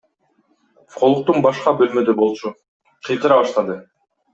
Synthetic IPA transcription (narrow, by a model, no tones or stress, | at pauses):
fqo̞lˠuq̚t̪unbɑʃqɑbø̞lmø̞d̪øbo̞lˠt͡ʃu | qʰɯjq̪ɯɾɑβɑʃt̪ɑd̪ɯ